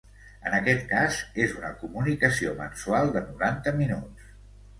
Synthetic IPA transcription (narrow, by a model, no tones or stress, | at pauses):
ə̰nəkɛt̪kazezunəkumunikəsiomə̰nsualˠd̪ənuɾant̪əminus